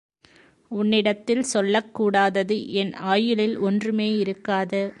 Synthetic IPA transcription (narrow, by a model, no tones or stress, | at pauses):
ʊnːɪɽɐt̪ːɪlsɔlːɐkːuːɽaːðɐðɯʔɛnaːjɯlɪlɔndrɯmeːɪɾɯkːaːðɐ